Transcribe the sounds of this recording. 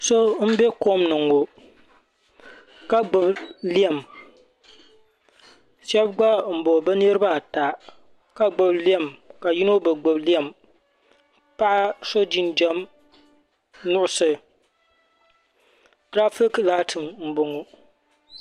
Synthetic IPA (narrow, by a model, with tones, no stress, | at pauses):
so˦m̩˦bɛ˦ko˦mnɨ˨ŋo˨ | ka˦ɡ͡bʊ˨bli˦ɛ˨m | ʃɛ˦bɡ͡ba˦m̩˨bo˨bɛ˦ni˦ɾɨ˦ba˦˨ta˨ | ka˨ɡ͡bʊ˨bli˦ɛ˦˨mka˨ji˦no˦bɨ˨ɡ͡bʊ˨bli˦ɛ˦˨m | pa˦ʔa˦so˦d͡ʒi˦nd͡ʒɛ˦m | nʊ˦ʔʊ˦sɨ˨ | tɾa˦fi˦kla˦tʰɨ˨mm̩˦bʊ˨ŋo˨